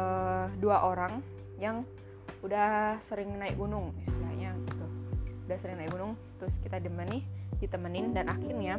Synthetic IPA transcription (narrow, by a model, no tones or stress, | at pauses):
əduaʔoɾaŋ | jaŋ | udahsəɾɪŋnaɪkunʊŋkaa̰ʔɲaɡit̪uudahsəɾɪŋnaɪkunʊŋt̪ɾʊskit̪ad͡ʒəmənɪdit̪əmənɪndanakɪnja